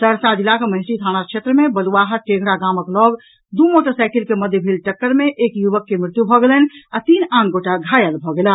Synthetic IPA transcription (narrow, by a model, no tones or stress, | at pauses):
səɽsad͡ʒilːakeməɦɪsɾid̪ʱʰañakʰʃʰet̪ɾəmebəluʋaɦəʈẽɡɾaɡaməklɔɡ | d̪umoʈəɾsaɪkelkeməd̪ʱjəbʱilʈəkːəɾmeʔekjuʋəkːemɾɪt̪jubʱɔɡelɛnat̪inanɡoʈaɡʱajəlbʱɔɡela